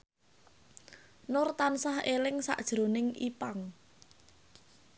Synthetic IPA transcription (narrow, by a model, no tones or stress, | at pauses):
nʊrt̪ansahelɪŋsa̰ʔd̥ʒ̥ɾo̤nɪŋʔipaŋ